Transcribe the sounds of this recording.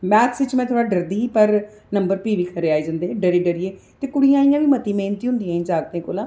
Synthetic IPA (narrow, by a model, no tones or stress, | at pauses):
mɛːt̪ʰsɪt͡ʃmɛ̃ːt̪ʰoːɽaːɖəɾd̪iːɦiːpəɾ | nəmbəɾpiːʋiːkʰəɾeːaːid͡ʒãːnd̪eɖəɾiːɖəɾieːt̪eːkʊɽijãːɪjãːʋiːmət̪iːmeːnt̪iːʊnd̪ijãːĩd͡ʒaːɡt̪ẽːkoːlãː